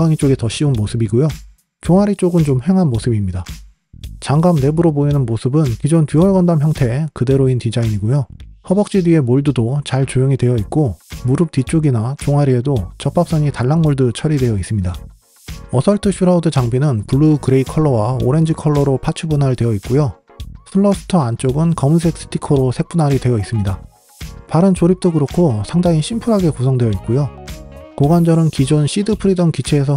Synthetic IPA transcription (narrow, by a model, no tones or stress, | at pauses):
aŋit͡ɕ͈oɡe̞tʌɕ͈ʰiunmosʰɯbiɡojo | t͡ɕoŋɦaɾit͡ɕ͈oɡɯnt͡ɕomhe̞ŋɦanmosʰɯbimɲida | t͡ɕaŋɡamne̞buɾoboinɯnmosʰɯbɯnkid͡ʑontɥiʌɭɡʌndamçjʌŋtʰe̞kɯde̞ɾointid͡ʑaiɲiɡojohʌbʌk̚t͡ɕ͈idɥie̞moɭdudot͡ɕaɭt͡ɕojʌŋidwe̞jʌit̚k͈omuɾɯp̚t͈it͡ɕ͈ʰoɡinat͡ɕoŋɦaɾie̞dot͡ɕʌp͈ap̚s͈ʌɲitaɭːaŋmoɭdɯt͡ɕʰʌɾidwe̞jʌis͈ɯmɲida | ʌsʰʌɭtʰɯɕʰiɾaudɯt͡ɕaŋbinɯnpuɭːukɯɾe̞ikʰʌɭːʌwao̰ɾe̞nd͡ʑikʰʌɭːʌɾopʰat͡ɕʰubunaɾidwe̞jʌit̚k͈ojo | sʰɯɭːʌsʰɯ̥tʰʌant͡ɕ͈oɡɯnkʌmɯns̬ʰek̚s͈ʰɯ̥tʰikʰʌɾosʰe̞k̚p͈unaɾidwe̞jʌis͈ɯmɲida | paɾɯnt͡ɕoɾip̚t͈oɡɯɾokʰosʰaŋdaŋiɕʰimpʰuɾɦaɡe̞kosʰʌŋdwe̞jʌitk̚k͈ojokoɡand͡ʑʌɾɯnkid͡ʑonɕʰidɯpʰɯɾidʌnkit͡ɕʰeːs̬ʰʌ